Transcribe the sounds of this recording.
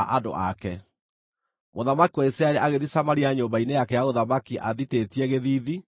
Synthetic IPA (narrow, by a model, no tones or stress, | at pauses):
aʔado̰ʔakɛ | moðamakiwaisɾaeɾeʔaɣeðisamaɾiaɲoːmbainejakɛjaɣoðamakiʔa̰ðitetiɛɣeðiːði